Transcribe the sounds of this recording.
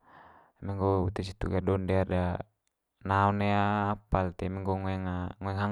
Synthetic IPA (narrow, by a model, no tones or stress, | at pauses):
amɛŋɡɔut̪ɛs̬it̪uɡadɔndɛada | naɔnɛaːpalt̪ɛmɛŋɡɔŋɔɛŋaŋɔɛŋɦaŋ